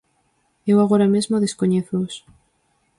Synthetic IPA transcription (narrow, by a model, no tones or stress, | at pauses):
ewaɣoɾamezmoðeskoɲeθos